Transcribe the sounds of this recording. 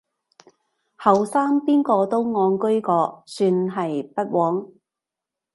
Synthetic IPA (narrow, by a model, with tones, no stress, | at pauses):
hɐ˨wsaː˥ŋpiː˥nkɔː˧t̪o˥wŋɔː˨˧ŋkɵ˥ɥkɔː˧syː˧nɦɐ˨jpɐ˥t̚wɔː˨˥ŋ